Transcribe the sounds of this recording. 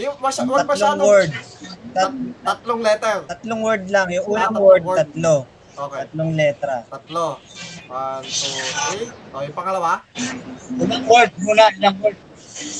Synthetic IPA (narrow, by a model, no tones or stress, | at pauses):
jʊŋmɐsaɐloawɛɹd̪̚t̪ɐt̪ɐt̪loŋlɛt̪ɛlt̪ɐt̪loŋwɛɹd̪̚laŋjʊŋʔuːnaŋwɛɹd̪̚ɐt̪lo | ʔok̪ːɐt̪loŋlɛːt̪ɾɐt̪ɐt̪̚lo | ojʊpɐŋɐlɐwa | unɐŋwɛɹd̪̚muːnalɐŋwɛd̪̚